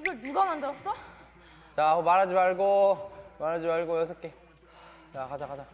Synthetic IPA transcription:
ɾʌduɡamandɯɾʌs͈ʌ | t͡ɕaomaɾɦad͡ʑimaɭɡomaɾɦad͡ʑimaɭɡojʌsʰʌk͈e | t͡ɕakad͡ʑakad͡ʑa

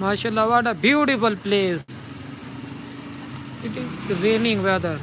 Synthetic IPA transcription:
maːʃalːaʋɔʈəbjuːʈifulpleːs | ɪʈizɾenĩŋɡʋɛd̪əɾ

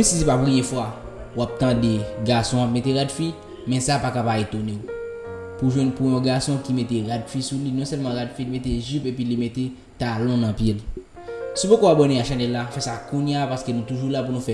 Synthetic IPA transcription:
esisipapɣijɛ̃fwa | wap̚t̪ãdeɡasɔ̃ap̚meteɣadfi | mɛ̃sapakapabet̪oneu | puʒwɛ̃npujɔ̃ɡasɔ̃kimet̪eɣadfisulinɔ̃sɛlmɑ̃ɣadfilimet̪̬eʒipep̬ilimete | t̪alɔ̃nãpjil | subokowapbɔnĩaʃãnɛlːafɛsakũnjapaskenũt̪uʒulapunũfɛ

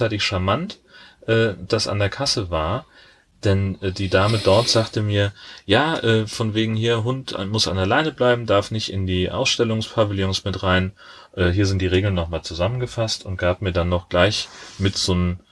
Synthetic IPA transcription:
aɪtɪçʃamant | ʔɛːd̥asʔa̰ndeːɐkʰasəvaːɐ | d̥ɛnʔɛːdiːdaːmədɔɐtz̥aːχtəmiːɐjaːʔɛːfɔnveːɡŋ̩hiːɐɦʊntmʊsa̰nɛɐlaɪnəblaɪbm̩daɐfnɪçtʔɪndiːʔa̰ʊsʃtɛlʊŋspʰaviljɔnsmɪtʁaɪn | ʔɛːɦiːɐzɪntd̥iːʁ̞eːɡl̩nːɔχmaːlt͡suzamənɡəfastʊnt̚ɡ̥aːp̚miːɐdanːɔχɡ̥laɪçmɪtz̥oːn

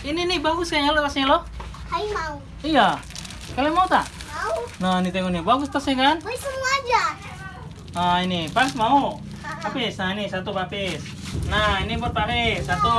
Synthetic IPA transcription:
ininihbaɡʊskaɲalot̪asɲalɔkaimau | ija | kalɛmaut̪aʔ | aunanit̪ɛŋɔnibaɡʊst̪asaŋanisəmuad͡ʒa | ainibaɡsmau | bapisnanisat̪ubapɪs | nainibɔrpaɾisat̪u

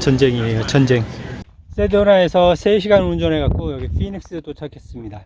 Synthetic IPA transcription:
t͡ɕʰʌnd͡ʑeŋiɦejot͡ɕʰʌnd͡ʑe̞ŋs͈edonae̞sʰʌsʰe̞ɕʰiɡanund͡ʑʌnekak̚k͈ojʌɡipʰinik̚s͈ɯt͈ot͡ɕʰakʰes͈ɯmɲida

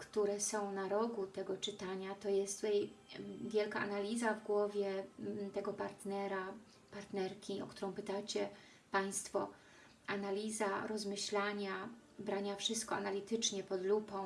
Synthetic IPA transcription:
kt̪uɾɛsɔ̃w̃naɾɔɡut̪ɛɡɔt͡ʂɘt̪aɲat̪ɔjɛst̪ɛjvʲjɛlkaʔa̰nalʲizavɡwɔvʲjɛt̪ɛɡɔpaɾt̪nɛɾa | paɾt̪nɛɾkʲiɔ̰kt̪uɾɔ̃w̃pɘt̪at͡ɕɛ | paj̃st̪fɔ | analʲizaɾɔzmɘɕlaɲa | bɾaɲafʂɘst̪̚kɔa̰nalʲit̪ɘt͡ʂɲɛpɔd̪lupɔ̃w̃

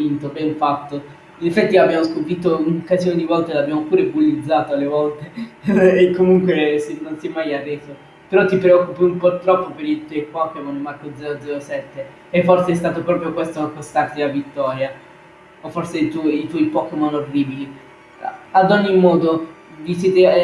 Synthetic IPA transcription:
int̪obɛɱfat̪ːo | inefːɛt̪ːiabːjamoskopit̪ːounokːazijoned̪ivɔlt̪elabːjaːmopuːɾebulːid̪zːaːt̪oalevɔlt̪eː | kːomuŋkwesenːonsjɛmajarːɛːzo | peɾɔt̪ːipɾeɔkːupiumport̪ːɾɔpːopeɾit̪ɔjkwakːɛmanimarkod̪zɛːɾod̪zɛɾosɛt̪ːeː | fːorseɛst̪aːt̪opɾɔːpɾjokwɛst̪oakːost̪art̪ilavit̪ːɔːɾja | ofːorset̪ɔit̪wɔjpɔːkomanorːiːbilḭ | ad̪ɔɲːimːɔːd̪o | visjɛːt̪e

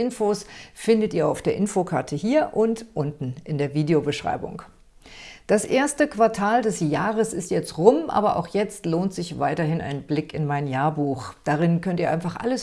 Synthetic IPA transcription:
ɪnfoːsfɪndətiːɐa̰ʊfd̥eːɐʔɪnfokʰaɐtʰəhiːɐʔʊntʔʊntn̩ʔɪndeːɐviːdeobəʃʁ̥a̰ɪbʊ̰ŋ | d̥asʔeːɐstəkv̥aɐtʰaːldɛsjaːʁəsɪstjɛt͡stʁʊmʔa̰ːbɐʔa̰ʊxjɛt͡stloːntz̥ɪçv̥aɪtɐɦɪnʔa̰ɪnblɪkɪnmaɪnjaːɐbuːxd̥aʁɪnkʰœntiɐʔaɪnfaχʔa̰ləs

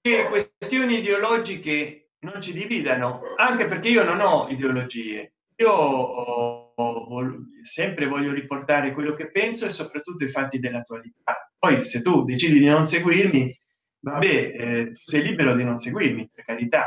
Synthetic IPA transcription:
kekwesst̪joːniːd̪eolɔd͡ʒike | nont͡ʃid̪iviːd̪anoaŋkeperkeiːononɔid̪eolod͡ʒiːḛ | iːo | vosɛmpɾevɔʎːoɾiport̪aːɾekwelːokepːɛnsoesːopɾat̪ːut̪ːoifat̪ːid̪elːat̪ualit̪̚apːɔjset̪ːud̪et͡ʃiːd̪id̪inonseɡwirmi | vabːɛt̪usɛjliːbeɾod̪inonseɡwirmipeɾkaɾit̪a

